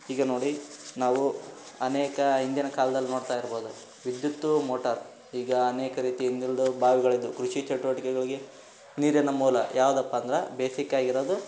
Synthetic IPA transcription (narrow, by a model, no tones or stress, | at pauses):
iːɡɐno̞ːɽinaːʋu | ɐneːkɐind̪jɐnɐkaːlɐd̪ɐlːinoːɽt̪aːjiɾboːd̪u | ʋid̪jut̪ːumoːʈɐɾ | iːɡɐːneːkɐɾiːt̪iind̪jɐlɐd̪ubaːʋiɡɐɭid̪ːukɾuʃit͡ʃɐʈːuʋɐʈikɛɡɐɭiɡe̞ | niːɾjɐnɐmuːlɐ̰jʔaːʋud̪ɐpːɐːnd̪ɐɾebeːsikaːɡiɾoːd̪u